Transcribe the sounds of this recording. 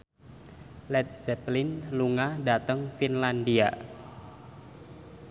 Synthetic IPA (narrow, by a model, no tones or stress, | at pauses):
lɛt̪̚sɛplinluŋadat̪əŋfinlandia